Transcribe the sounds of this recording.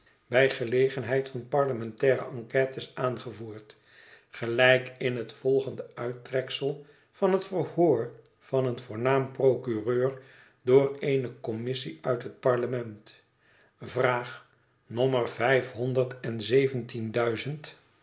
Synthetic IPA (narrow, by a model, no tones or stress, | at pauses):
bɛjχəlejχənɦɛjtfɑnpɑɹləmɛntɛːɾə̰ʔɑŋkɛːtɪsaːnχəvuːɹt | χəlɛjkɪnɦətfɔlˠχəndəœɥtrɛksəlˠ | vɑnɦətfərhoːɹ | v̥ɑnənvʊːɹnaːmprowkyrøːɹ | dʊːrejnəkɔmɪsiœɥtɦət̚pɑɹləmɛnt | vraːχ | nɔmərvɛjfɦɔndəɹtɛnzejvəntindœɥzənt